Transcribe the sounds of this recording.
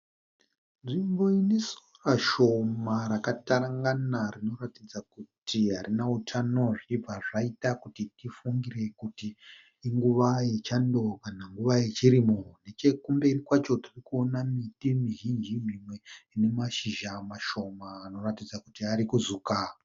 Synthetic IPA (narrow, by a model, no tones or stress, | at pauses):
nʐimbo̞inisoraʃo̞maɾakataɾaŋɡanarino̞ratid͡zakutʰiɦaɾinautʰano̞ʐiib͡vaʐaitakutitifuŋɡire̞kutiː | ŋɡuʋajet͡ʃando̞kanaŋɡuʋaje̞t͡ʃiɾimone̞t͡ʃe̞kumbe̞rikwat͡ʃo̞tirikuonamitimiʒind͡ʒim̤imwe̞ine̞maʃiʒamaʃo̞maːno̞ratid͡zakutiaɾikuzuka